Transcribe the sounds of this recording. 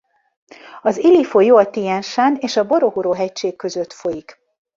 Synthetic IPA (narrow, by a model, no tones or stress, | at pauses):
ɒzilifojoɒt̪ijɛnʃaːneːʃɒbo̞ɾoɦuɾoːɦɛcʃeːkːøzøt̪fo̞jik